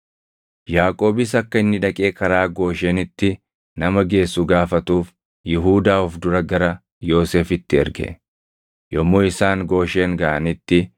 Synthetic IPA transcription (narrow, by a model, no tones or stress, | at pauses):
jaːkʼo̞ːbɪs̬ɐkːɐɪnːɪᶑɐkʼe̞ːkʼɐɾaːɡo̞ːʃeːnɪt̪ːɪ | nɐmɐɡe̞ːsːʊɡaːfɐt̪uːf | jɪɦuːd̪aːʊfd̪ʊɾɐɡɐɾɐ | jo̞ːse̞ːfɪt̪ːɪɛ̰ɾɡɛ̰ | jɔmːoːɪsaːŋɡo̞ːʃe̞ːŋɡɐʔɐnɪt̪ːɪ